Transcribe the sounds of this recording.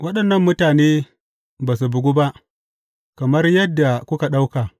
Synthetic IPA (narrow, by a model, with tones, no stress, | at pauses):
wɐ˦ɗɐ˨nːɐ˦˨mːʊ˦taː˨neː˦ | baː˨su˨bʊ˨ɡʷu˦ba˦ʔ | kɐ˨mɐ˦rjɐ˦dːa˨kʷʊ˦ka˨ɗa˦wka˨